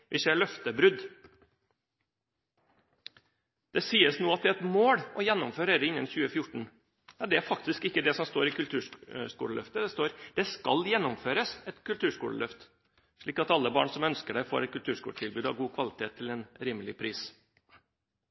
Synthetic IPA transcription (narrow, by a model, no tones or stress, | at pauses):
ʋɪseːɭœft̪əbɾʉd̪ | d̪̥ɛsiːəsnuːɑt̪̚d̪ɛɛt̪moːɽɔjɛnːʊmføːɾeɾəɪnːənçʉːəfjʊʈːɳ̩ | jɑd̪ɛæɾfɑk̚t̪ɪskɪkːəd̪ɛsɔmst̪oːɾɪkʉlt̪ʰʉːʂkṵːləlœ̰ft̪əd̪ɛst̪oːɾd̪̥ɛskɑljɛnːʊmføːɾəsɛt̪kʉlt̪ʉːʂkuːləlœft̪ | ʂɭiːkɑt̪ɑlːəbɑ̰ːɳsɔmœnskəɖæɪfo̰ːɾɛt̪̚kʰʉlt̪ʰʉːʂkuːlʈʰɪlbʉːd̪ɑ̰ʋɡuːkʰʋɑlɪt̪ʰeːt̪ʰːɪlɛːnɾiːməlɪ̰pʰɾiːs